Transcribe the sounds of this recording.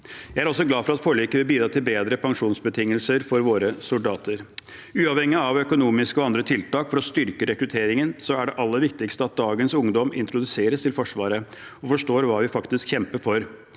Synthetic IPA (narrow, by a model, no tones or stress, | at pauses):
jæɪæɾɔsːɔɡlɑːfɔɾɑt̪pʰoːɭiːkəʋɪlbiːd̪ɾɑːt̪ʰɪlbeːd̪ɾəpʰɑŋʂuːnsbət̪ʰɪŋːəlsəɾfɔɾʋoːɾəsʊld̪ɑːt̪ʰəɾ | ʉːɑːʋhɛŋːəɑʋœkʊnuːmɪskɔɑnd̪ɾət̪ʰɪlt̪ɑːkfɔɾɔst̪ʏɾkəɾɛkɾʉt̪ʰeːɾɪŋənsɔæɖɛʔɑlːəɾʋɪkt̪ɪkst̪əɑt̪̚d̪ɑːɡənsʊŋd̪ɔmɪ̰nt̪ɾʊd̪ʉseːɾəst̪ʰɪlfɔʂʋɑːɾə | ɔfɔʂʈoːɾʋɑːʋɪfɑkt̪ɪskçɛmpəɾfɔɾ